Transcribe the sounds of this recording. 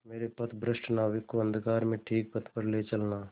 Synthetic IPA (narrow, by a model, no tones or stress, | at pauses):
meːɾepɐt̪ʰbɾəsʈnaːʋekːoə̃nd̪ʱkaːɾmẽʈʰiːk̚pət̪ʰpəɾleːt͡ʃɐlnaː